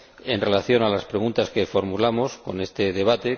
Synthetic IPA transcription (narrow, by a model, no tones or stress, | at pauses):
e̞nre̞laθjo̞nalaspɾe̞ɣunt̪aske̞fo̞ɾmulamosko̞̰ne̞st̪e̞ðe̞β̞at̪e̞